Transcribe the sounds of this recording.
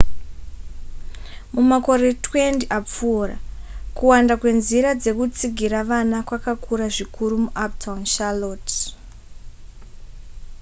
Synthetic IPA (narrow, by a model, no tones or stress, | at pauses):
mumako̞ɾe̞twe̞ntiʔap͡fuːra̰kuwandakwe̞nziɾad͡ze̞kut͡siɡʱiɾaʋanakwakakʰuɾaʐikʰuɾumuʔap̚tʰaunʃalot